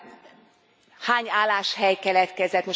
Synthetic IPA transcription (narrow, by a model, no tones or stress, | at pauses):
haːɲaːlaːʃhɛjkɛlɛt̪kɛzɛt̪mo